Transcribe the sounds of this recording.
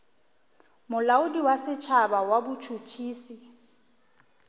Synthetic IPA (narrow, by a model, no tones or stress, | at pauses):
mʊlaʊdiwasɪt͡ʃʰabawabʊt͡ʃʰut͡ʃʰiːsi